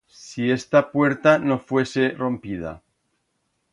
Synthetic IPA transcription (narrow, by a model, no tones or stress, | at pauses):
sie̞st̪apwe̞ɾt̪ano̞fwe̞sero̞mpið̞a̰